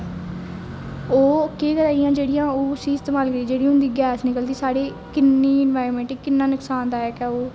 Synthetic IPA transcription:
oːkeːkəɾaːijãːd͡ʒeːɽɪjãːoːʊsiːɪst̪eːmaːlkəɾiːd͡ʒeːɽiːɦʊ̃nd̪iːɡɛːsnɪkəld̪iːsaːɽeː | kɪnːiːɪnʋaːɾmɛ̃ːɳʈeːkɪnːãːnʊksaːnd̪aːɛːkɛoː

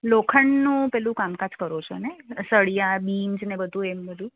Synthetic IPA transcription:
lokʰəɳnũpɛlũkamkãt͡ʃkəɾot͡ʃʰo̰nesəɭijabind͡ʒnebəd̪ʱũembəd̪ʱũ

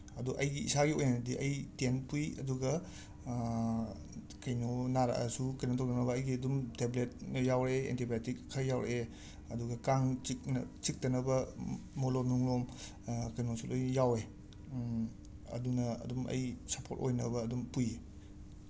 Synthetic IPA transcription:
ɐduʔɐjɡiḭsaɡiojnaɐdiʔɐjtenpujɐ̰duɡɐ | kɐjnonaɾa̰ʔɐ̰sukɐjnɐtʰowdɐnɐbɐɐjɡiɐdumteblet̚njawɾeḛntibatikʰːɐjawɾḛʔe | ɐduɡɐkaŋt͡ʃikn̰t͡ʃik̚dɐnɐbɐmolonuŋlom | kɐjnosulʔojjawe | ɐ̰dunɐɐ̰dumɐ̰jsɐpʰoɾtojnɐbɐːdumpuje

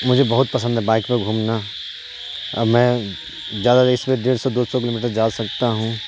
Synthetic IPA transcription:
mʊd͡ʒʱebɐɦʊt̪̚pɐsə̃nd̪ʱɦɛbãɪkpẽɡʱuːmna | mɛ̃ | zjaːd̪aɪsmeɖeːɾsɔd̪oːsɔk̬ɪloːmiːʈ̬əɾd͡ʒaːsɐk̚t̪aɦũ

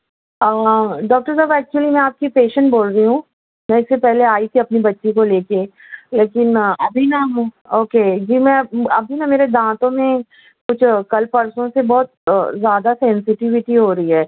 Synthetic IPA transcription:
aːɖɔːk̚ʈəɾsaːbɛːk̚t͡ʃuwəlimɛ̃aːp̚kipeːʃə̃ɳʈ̚boːlɾəiɦũ | nɐ̃ɪsːepɛɦleaːit̪ʰiɐpnibɐtːʃikoleːke | leːkɪnɐbʱinɐoːked͡ʒiːmɛ̃ɐbʱinɐmeːɾed̪ãːt̪õmẽ | kʊt͡ʃʰkɐlpɐɾsõsebɔːt̪̚zjaːd̪asɛ̃nsɪʈɪʋɪʈiɦoːɾɐiɦɛː

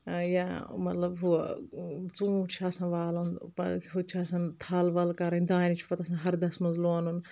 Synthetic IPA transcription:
jaːmɐt̪lɐbɦu | t͡sũːt͡ʃʰɐsãːʋaːlunpɐɦut͡ʃʰiɐsɐ̃nt̪ʰaːlʋɐlkɐɾɐnd̪ãːnit͡ʃʰi̥pɐt̪ɐsãɦɐɾd̪ɐsmɐnzloːnun

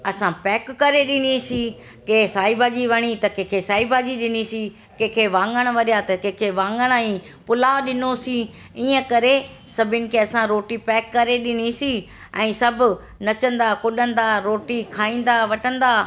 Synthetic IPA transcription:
ɐsãpɛːkːɐɾeɗɪnisi | keːsaːibad͡ʑiʋɐɽ̃it̪ɐkẽːkʰesaːibad͡ʑiɗɪnisi | kẽːkʰeʋãːŋɡəɽ̃ʋɐɗijat̪ɐkẽkʰeʋãːŋɡəɽ̃aĩ | pʊlaːɗɪnosi | iːə̃kɐɾe | sɐbʱʊnɪ̆kʰeːɐsãɾoːʈipɛːkːɐɾeɗɪn̤isi | ɛ̃ːsɐbʱʊ | nɐt͡ɕə̃nd̪akʊɗə̃nd̪aːɾoːʈikʰaːĩːn̆d̪aʋɐʈə̃nd̪aː

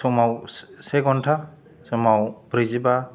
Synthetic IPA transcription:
sɔmawsɛɡɔntʰa | sɔmawbɾiziba

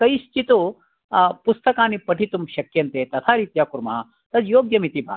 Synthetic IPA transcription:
kɐjiʃt͡ʃit̪u | pust̪ɐkaːnipɐʈʰit̪umʃɐkjɐnt̪eːt̪ɐt̪ʰaːɾit̪jaːkuɾma | t̪ɐd̪joːɡjɐmit̪ibʱa̰ː

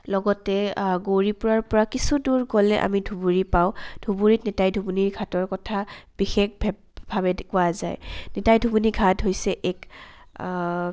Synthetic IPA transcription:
lɔɡɔtɛɡoɹipʊɹaɹpɔɹakisuduɹkɔlɛʔa̰midʱubuɹipaʊ̃d̥ʱubuɹitnɛtajdʱubuniɹɡʱatɔɹkɔtʰab̥ixek̚bʱ | bʱabɛkʊazajnɛtajdʱubuniɡʱatɦojsɛʔɛk

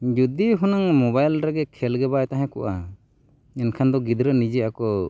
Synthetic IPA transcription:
d͡ʒud̪iɦunaŋmɔbajlɾɛɡɛkʰɛlɡɛbajt̪aɦɛ̃kɔ̰ʔa | ɛnkʰand̪ɔɡid̪ɾənid͡ʒɛakɔ

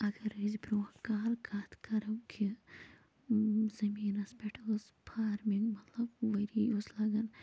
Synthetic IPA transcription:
ɐɡɐɾiz̬bɾuːkaːlkʰat̪kɐɾɐwkʰi | zɐmiːnɐspeʈʰɐlz | pʰaːɾmiŋɡmɐt̪lɐbʋɐɾiːuslɐɡɐn

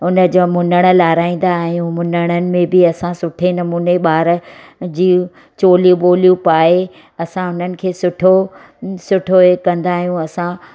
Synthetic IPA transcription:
ʊnə̆d͡ʑoːmʊnəɽ̃ə̆laːɾaːĩːn̆d̪aɦɛ̃iũmʊnəɽ̃ənɪ̆mẽbɪɐsãsʊʈʰenɐmuːneɓaːɾd͡ʑĩː | t͡ɕoːlijũɓoːlijũpaːɦe | ɐsãʊn̤ənɪ̆kʰeːsʊʈʰo | sʊʈʰoekɐ̃nd̪aːɦijũɐsã

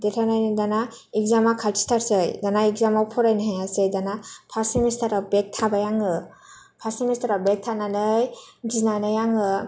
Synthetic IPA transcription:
detʰanajnɯdana | ikzamakʰaltʰi̥stʰaɾsɯjdanaik̚zamawpʰɔɾajnɯɦajasɯjdanapʰasimistaɾabek̚tʰabajaŋɯ | pʰasimistʰaɾawbek̚tʰananɯjɡinanɯjaŋɯ

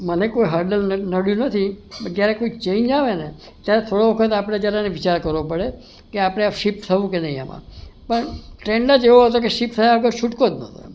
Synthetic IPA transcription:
mənekoiɦaɾɖəlnəɽjũnət̪ʰibəɡjaɾekoit͡ʃẽind͡ʒaʋene | t̪jaɾet̪ʰoɽoʋəkʰət̪̬apɽ̃ed͡ʒjaɾaneʋɪt͡ʃaɾkəɾʋopəɽe | keapəɽ̃eaʃipt̪ʰəʋũkenəɦĩa̰mã̰pəɳʈɾeɳɖəd͡ʒeʋoɦət̪okeʃipt̪ʰəjaʋəɡəɾʃuʈkod̪nət̪ʰo̰

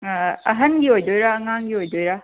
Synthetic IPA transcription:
ɐɦɐnɡiojdojɾaːŋaŋɡiojdojɾa

